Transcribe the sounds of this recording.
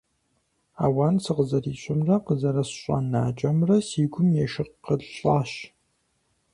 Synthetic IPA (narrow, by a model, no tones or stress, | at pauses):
a̰ːwaːnsɨqəzɐriːɕʷʼɪmrɐqəzɐɾɐsɕʷʼa̰nːaːt͡ʃʼɐmrɐsiːɡʷʊmjɛʃɪqːəɮɬʼaːɕ